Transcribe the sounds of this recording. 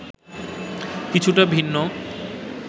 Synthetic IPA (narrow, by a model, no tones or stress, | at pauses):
kit͡ɕʰuʈabʱinːo